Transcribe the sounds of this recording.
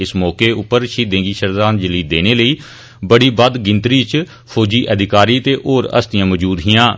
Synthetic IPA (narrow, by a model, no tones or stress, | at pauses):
ɪsmɔːkeːʊpːəɾʃiːd̪ẽːɡiːʃəɾd̪aːnd͡ʒəliːd̪eːɽ̃eːləiː | bəɽiːbəd̪ɡɪnt̪ɾiːt͡ʃ | pʰoːd͡ʒiːʔəd̪ɪkaːɾiːt̪eːʔoːɾə̰st̪ɪjãːmɔːd͡ʒuːd̪ɦɪjãː